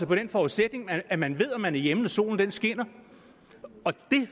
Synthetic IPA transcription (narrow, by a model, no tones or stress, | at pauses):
ɒpʰɒ̽d̥enfɒːuðˠsed̥ne̝ŋæmænʋe̝ð̞̰ˠɒmːænæɐjemən̩ɒso̝̰ːln̩d̥ensɡ̥en̰ɐ | ɒ̽d̥e̝